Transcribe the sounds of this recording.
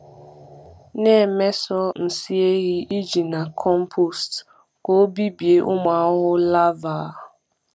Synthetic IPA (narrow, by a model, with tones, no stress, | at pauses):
ne˦˨me˦sɔ˦n̩˨si˦e˦ɣɪ˦i˦d͡ʒi˨na˨kʰɔ˦m̩˦pʰo˨st | ko˦bi˦bje˦ʔʊ˦m˨a˨˦ɦʊ˦la˦va˨